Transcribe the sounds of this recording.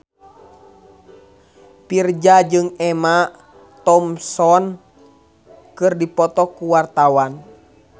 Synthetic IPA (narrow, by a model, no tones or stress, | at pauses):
pird͡ʒad͡ʒɨŋɛma | t̪ɔmsɔn | kɨrdipɔt̪ɔkuwart̪awan